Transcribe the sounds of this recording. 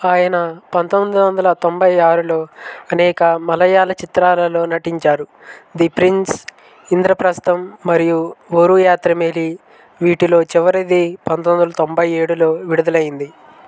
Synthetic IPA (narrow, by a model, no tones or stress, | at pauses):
aːjɐnɐpɐnt̪omd̪ɐʋɐnd̪ɐlɐt̪o̞mbʱɐjaːɾulo̞ːɐnɛːkɐmɐlɐjaːlɐt͡ʃit̪ɾaːlɐlo̞ːnɐʈiɲt͡ʃaːɾu | d̪ipɾins | ind̪ɾɐpɾɐst̪ɐmːɐɾijuʋoːɾujaːt̪ɾɐmeli | ʋiːʈilo̞ːt͡ʃɛʋɐɾɐd̪ipɐnt̪ond̪ɐlɐt̪ombʱɐje̞ːɽulo̞ːʋiɽud̪ɐlɐjind̪i